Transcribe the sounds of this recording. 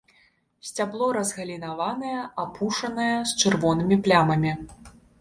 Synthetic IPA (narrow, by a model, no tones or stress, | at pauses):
sʲt͡sʲablˠɔɾɐzɣɐlʲinavanɐjɐapʰuʂɐnɐjɛst͡ʂɨrvɔnɨmʲiplʲamɐmʲi